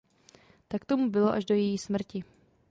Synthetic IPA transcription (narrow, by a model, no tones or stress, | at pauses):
t̪akt̪o̞mubɪlo̞ʔaʒdo̞jɛjiːsmr̩cɪ